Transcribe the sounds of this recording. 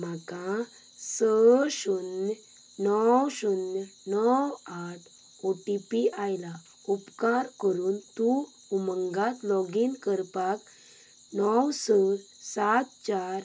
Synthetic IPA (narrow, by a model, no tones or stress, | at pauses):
m̤akã | səɕun | nɔwɕunnɔwaʈʰ | oʈipiajla | upkaɾkəɾuːnt̪u | uməŋɡat̪lɔɡinkəɾpak | nɔwsə | sat̪t͡ɕaɾ